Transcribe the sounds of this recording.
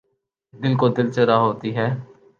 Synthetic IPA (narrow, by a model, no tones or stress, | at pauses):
d̪ɪlkod̪ɪlt͡ʃəɾaɦoːt̪iːɦɛː